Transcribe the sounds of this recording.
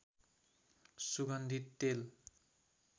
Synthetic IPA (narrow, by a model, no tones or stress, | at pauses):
suɡʌnd̪ʱit̪ːel